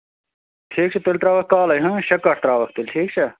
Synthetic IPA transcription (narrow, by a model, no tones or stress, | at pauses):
ʈʰiːk̚t͡ʃʰɐt̪elʲt̪ɾaːʋɐk̚kaːlɐjɦɐ̃ɕɐkːɐʈʰt̪ɾaːʋɐk̚t̪elʲʈʰiːkt͡ʃʰɐ